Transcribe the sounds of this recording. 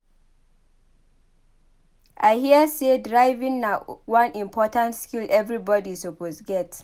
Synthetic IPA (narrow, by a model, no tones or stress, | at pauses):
ʔaɪhiəsedɹaɪvĩnnawãnĩmpʰɔtãntskilʔɛvɹibɔdisoposɡɛt